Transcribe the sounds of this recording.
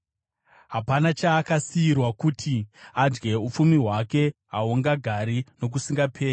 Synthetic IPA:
ɦapanat͡ʃaːkasiirwakutʰiad͡ʒɡe̞up͡fumiɦwake̞ɦaoŋɡaɡʱaɾino̞k̬usiŋɡapʰe̞ːi

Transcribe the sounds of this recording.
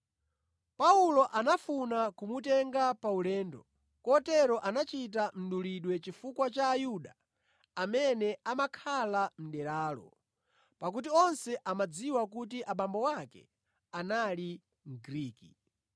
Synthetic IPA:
paulɔʔanafunakumut̬ɛŋɡapaulɛːndɔ | kɔtɛɾɔʔanat͡ʃit̬am̩ɗuliɗwɛt͡ʃifukwat͡ʃaːjuɗaː | mɛnɛamakʰalam̩ɗɛɾaːlɔ̰ | pak̬ut̬iɔnsɛʔamad͡ziwakut̬iʔaɓambɔwakɛ̰ | anali | ŋɡɾiːki

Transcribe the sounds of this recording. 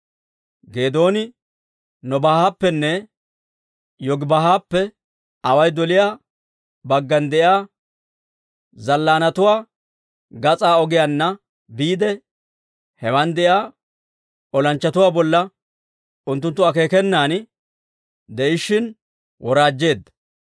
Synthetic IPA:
ɡe̞ːd̪o̞ːnɪ | nɔbahaːpːɛnːɛ | jɔɡbɐhaːpːɛ | ɐwɐjd̪ɔlɪjaː | bɐɡːɐnd̪ɛʔjaː | zɐlːaːnɐt̪ʊwaː | ɡɐt͡sʼaːɔɡɪjanːɐ | biːd̪ɛ | hɛwɐnd̪ɛʔjaː | ɔlɐnt͡ʃːɐt̪ʊwaːbɔlːɐ | ʊnt̪ːʊnt̪ːʊɐke̞ːkɛnːaːn | d̪ɛʔɪʃɪn | wɔɾaːd͡ʒːe̞ːd̪ːɐ̥

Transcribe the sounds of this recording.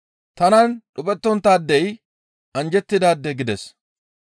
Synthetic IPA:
t̪ɐnɐnɗʊpʼɛt̪ːɔnt̪aːd̪ːɛj | ɐnd͡ʒɛt̪ːɪd̪aːd̪ːɛɡɪd̪ɛs

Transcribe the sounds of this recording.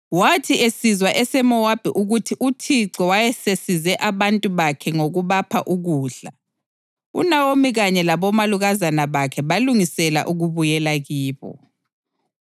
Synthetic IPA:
watʰiesizwaʔɛsɛmɔwab̥ʱɛʔuɣutʰiʔutʰiǀɔwajɛsesizɛʔaβantʼuβakʰɛŋoɣuβapʰaʔuɣuːɬa | ṵnawomiɣaɲɛlaβɔmaluɣazanaβakʰɛβaluŋisɛla̰ʔuɣuβujɛlaɣiːβɔ̰

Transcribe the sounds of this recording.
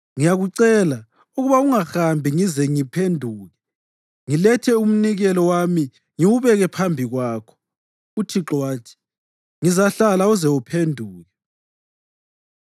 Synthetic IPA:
ŋijaɣuǀɛla | uɣuβauŋaxambʱiŋizɛŋipʰendʱuːɣɛ | ŋilɛtʰɛum̩niɣɛlɔwami | ŋiwuβɛɣɛpʰambʱiɣwaːkʰɔ̥ | utʰiǁwaːtʰi̥ | ŋizaɬalauzɛwupʰendʱuːɣɛ

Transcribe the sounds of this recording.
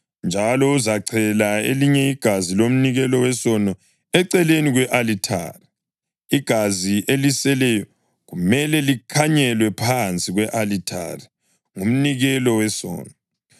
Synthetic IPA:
nd͡ʒʱalɔuzaǀʰɛlaeliɲɛiɡ̥ʱazilom̩niɣɛlɔwɛsɔnɔ | ɛǀɛleniɣwɛʔalitʰa̰ri | iɡ̥ʱaziʔelisɛlɛjɔ | ɣumɛlɛlikʰaɲɛlwɛpʰant͡sʼiɣwɛʔalitʰa̰ri | ŋum̩niɣɛlɔwɛsɔ̰ːnɔ

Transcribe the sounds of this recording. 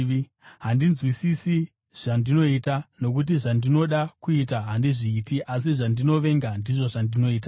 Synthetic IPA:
ɦandinzwisisi | ʐ̥andino̞itano̞kut̬iʐandino̞ɗakuitaɦandiʐiːtiʔasiʐandino̞ʋe̞ŋɡandiʐo̞ʐandino̞iːt̬a

